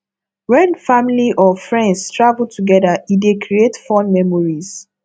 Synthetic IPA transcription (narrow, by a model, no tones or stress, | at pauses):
wɛ̃nfamiliʔɔfɹɛ̃ndstʰɹavl̩tʰuɡɛðaidekʰɹietfɔ̃nmɛmɔɹiz